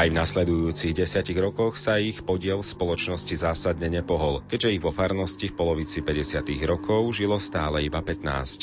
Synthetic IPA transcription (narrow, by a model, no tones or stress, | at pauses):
ajvnaslɛd̪ujuːt͡siɣɟɛsɪaciɣɾɔkɔxsaixpɔɟɪɛlspɔlɔt͡ʃnɔscizaːsad̪ɲɛɲɛpɔɦɔlkɛɟʒɛiɣʋɔfaɾnɔscifpɔlɔʋit͡sipɛɟɛsɪat̪iɣɾɔkɔʊʒilɔst̪aːlɛibapɛt̪na̰ːsc